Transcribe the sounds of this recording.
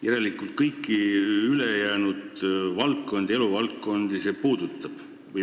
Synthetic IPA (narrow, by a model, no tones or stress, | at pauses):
jæɾe̞likːˑult̪̚kɤjkːˑiyle̞jæːnud̪vɑlt̪ko̞nd̪̥e̞luvɑlt̪ko̞nd̪̥ise̞ːpuːd̪̥ut̪ˑːɑb̥ | vɤj